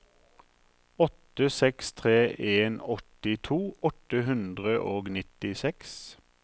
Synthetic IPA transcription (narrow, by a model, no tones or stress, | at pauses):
ɔt̪əsɛkst̪ʰʁeːʔeːnɔt̪ɪt̪ʰuːʔɔt̪əhʉnd̪ʁəʔoːɡnɪt̪ɪsɛks